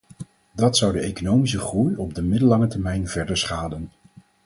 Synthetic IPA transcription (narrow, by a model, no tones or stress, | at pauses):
dɑtsʌwdəejkonowmisəχrujɔb̚dəmɪdəlɑŋətɛɹmɛjnvɛɹdəɹsχaːdən